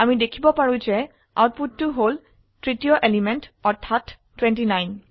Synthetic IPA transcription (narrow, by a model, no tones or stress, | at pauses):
amidekʰibɔpaɹũzɛ | a̰wt̚putːʊɦol | tɹitijɔʔelimɛntɔtʰːatː | wɛ̃ntinajn